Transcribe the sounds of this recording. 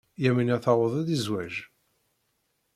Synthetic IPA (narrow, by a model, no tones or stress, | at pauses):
jæmənæθɑwəðˤæðizwæʒ